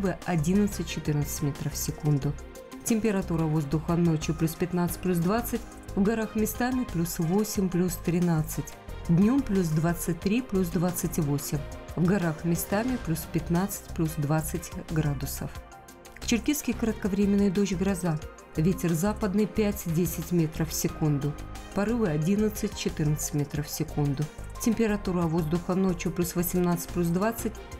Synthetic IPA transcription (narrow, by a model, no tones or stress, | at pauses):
bɨʔɐdʲinət̪sɨt̚ʲt͡ɕɪt̪ɨrnət̪sɨ̥tʲmʲet̪ɾəfsʲɪkund̪ʊ | tʲɪmʲpʲɪɾɐt̪uɾəvo̞zd̪ʊxəno̞t͡ɕjʊplʲusʲpʲɪt̪nat̪sɨ̥tʲplʲus̬d̪vat̪sɨtʲ | vɡɐɾaxmʲɪst̪amʲɪplʲusvosʲɪmʲplʲust̪ɾʲɪnat̪sɨtʲd̪ʲnʲo̞mplʲus̬d̪vat̪sɨt̚ʲt̪ɾʲiplʲusd̪vat̪sɨtʲvosʲɪmʲvɡɐɾaxmʲɪst̪amʲɪplʲuspʲɪt̪nat̪sɨ̥tʲplʲusd̪vat̪sɨtʲɡɾad̪ʊsə̰f | t͡ɕɪrkʲiskʲɪjkəɾət̪̚kɐvɾʲemʲɪnːɨjd̪oɕɡɾɐza | vʲetʲɪrzapəd̪nɨjpʲætʲdʲesʲɪtʲmʲet̪ɾəfsʲɪkund̪ʊpɐɾɨvɨɐdʲinət̪sɨtʲt͡ɕɪt̪ɨrnət̪sɨ̥tʲmʲet̪ɾəfsʲɪkund̪ʊtʲɪmʲpʲɪɾɐt̪uɾəɐvo̞zd̪ʊxəno̞t͡ɕjʊplʲusvəsʲɪmnat̪sɨ̥t̚ʲplʲus̬d̪vat̪sɨt̚ʲ